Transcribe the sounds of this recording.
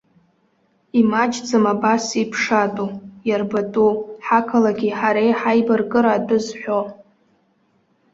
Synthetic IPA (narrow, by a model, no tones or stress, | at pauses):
imad͡ʒd͡zɨmabasipʰʂatʼujarbatʼuħakʰalaɡʲiħaɾejħajbɨrɡʼɨɾaːdɨzħʷᶣo